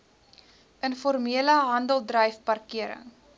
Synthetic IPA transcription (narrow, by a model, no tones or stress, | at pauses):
ʔənfɔrmiələɦɐndəlˠdrəjfpɐrkiəɾə̰ŋ